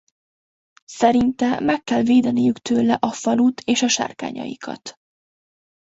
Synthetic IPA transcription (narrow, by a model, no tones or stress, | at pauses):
sɛɾint̪ɛmɛkːɛlveːd̪ɛnijykt̪øːlɛʔɒfɒlut̪ʰeːʃɒʃa̰ːrka̰ːɲɒ̰jḭkʰɒ̰t̪